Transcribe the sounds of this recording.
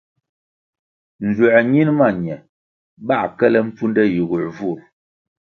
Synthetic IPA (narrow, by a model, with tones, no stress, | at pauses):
n̩˨zwu˨ɲi˦nma˦˨ɲ˨ɛ˨ | ba˦˨kɛ˦lɛ˦m̩˦p͡fu˦ndɛ˦ji˨ɣu˨vu˦˨ɾ